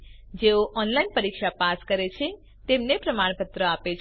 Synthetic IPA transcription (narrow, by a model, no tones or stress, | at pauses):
d͡ʒeoʔɔnlainpəɾikʃapaskəɾet͡ʃʰe | t̪emnepɾəmaɳ̃pət̪ɾəapet͡ʃʰ